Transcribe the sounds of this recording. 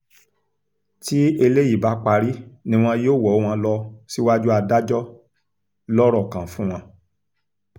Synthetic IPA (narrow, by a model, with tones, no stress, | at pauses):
ti˦e˧le˦ji˦˨ba˨˦k͡pa˧ɾi˦nĩ˧˦w̃ɔ̃˧joː˦˨wɔ˨˦w̃ɔ̃˧lɔ˧si˦wa˦d͡ʒu˦a˧da˦d͡ʒɔ˦ | lɔ˦ɾɔ˦˨kã˨fũ˦w̃ɔ̃˧